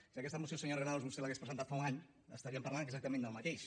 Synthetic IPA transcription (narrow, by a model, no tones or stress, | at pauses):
siəkɛst̪əmusjosəɲorenaluzβust̪elaɣespɾəzənt̪at̪faunaɲ | ə̰st̪aɾiəmpaɾlanɡzak̚t̪əmẽnd̪əlˠmɐt̪eʃ